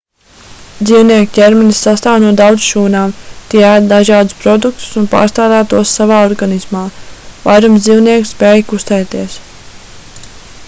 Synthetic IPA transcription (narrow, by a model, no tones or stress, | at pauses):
d̪ziːwniɛkcɛɾmɛnisːast̪aːwnuɔd̪awd̪zʃuːnaːmt̪iɛæd̪d̪aʒɑːd̪uspɾɔd̪uk̚t̪u̥sunpa̰ːɾst̪aːd̪æːt̪uɔsːavaːɔɾɡanismaːvajɾumzd̪ziːwniɛksspɛːjkust̪ɛjt̪iɛs